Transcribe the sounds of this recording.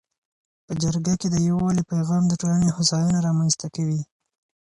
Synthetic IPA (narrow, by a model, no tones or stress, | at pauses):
pəd͡ʒaɾɡaked̪əjawɑlipajɣɑmd̪əʈolanehʊsɑjunaɾɑmanzt̪akawi